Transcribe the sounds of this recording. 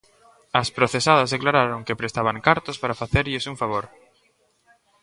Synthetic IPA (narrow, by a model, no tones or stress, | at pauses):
ɐspɾoθesað̞ɐzðeklaɾaɾoŋkepɾest̪aβ̞aŋkaɾt̪ospaɾafaθeɾʎɪsuɱfaβ̞oɾ